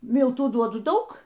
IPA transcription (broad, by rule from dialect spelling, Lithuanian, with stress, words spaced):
ˈmʲɪlˠtuː ˈduɔdʊ ˈdɐʊk